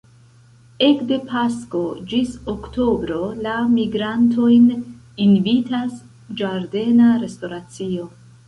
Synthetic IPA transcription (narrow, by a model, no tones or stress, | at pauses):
e̞kde̞pʰasko̞d͡ʒisokto̞bɾo̞lamiɡɾantʰo̞jn | invitas | d͡ʒaɾde̞naɾe̞sto̞ɾat͡sio̞